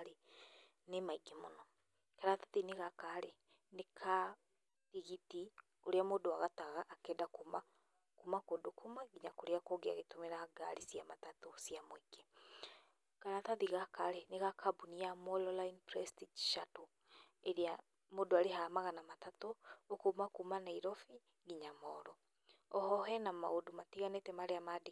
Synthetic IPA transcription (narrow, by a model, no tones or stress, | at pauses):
ɾe | nemaiɡemonɔ | kaɾataðineɣakaɾe | nekʰa | tiɣiti | oɾeamodoaɣataɣaʔːkeːdakuma | kumakodokʰomaɡiɲakoɾeakoɡea̰ɣetomeɾaɡa̰ɾisiamatatosiamweɡe | kanataðiɣakaɾɛneɣakʰabuniamɔlɔlainpɾɛstid͡ʒʃato | eɾea | moːdoaɾeɦamaɣanamatatookomakumanaiɾɔfi | ɡiɲamɔɾɔ | ɔhɔɦɛnama̰odomatiɣanetɛmaɾeamade